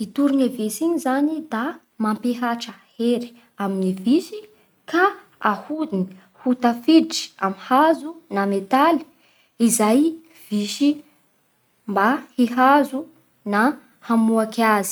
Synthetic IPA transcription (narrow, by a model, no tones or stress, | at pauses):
it̪uɾinavesiɲizanid̪a | mampeɦaʈ͡ʂəheɾi̥ | aminivisi | ka | ahud̪ini | hut̪afiʈ͡ʂi̥aminhazunamet̪ali̥ | izaj | v̥iʃi | mbahiɦazu | na | hamuakazi̥